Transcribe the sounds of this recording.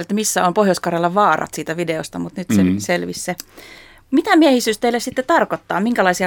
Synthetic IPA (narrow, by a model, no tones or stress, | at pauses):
let̪misːæompohjoskɑrelːɑʋɑːrɑ̰t̪siːt̪æʋideo̰st̪ɑmut̪nyt̪seselʋisse | mit̪æmiehisyːst̪eilːesit̪ːet̪ɑrkot̪ːɑ̰ːmiŋkælɑisiɑ